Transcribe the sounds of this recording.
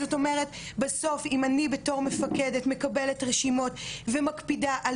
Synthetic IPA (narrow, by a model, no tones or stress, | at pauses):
zoto̞meʁetbaso̞fimanibe̞to̞ʁme̞fakedetme̞kabe̞letʁeʃimo̞tvemakpidaʔal